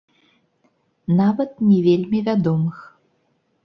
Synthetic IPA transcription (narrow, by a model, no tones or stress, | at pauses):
navɐt̪̚nʲivʲelʲmʲivʲad̪ɔmɨx